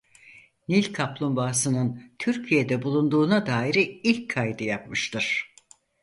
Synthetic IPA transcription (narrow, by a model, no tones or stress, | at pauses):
nilʲkʰaplˠumbaːsɯnɯnt̪ʰyɾcʰijed̪ɛbulˠund̪uːnad̪aːiɾiilʲcʰːajd̪ɯjap̚mɯʃt̪ɯɾ̥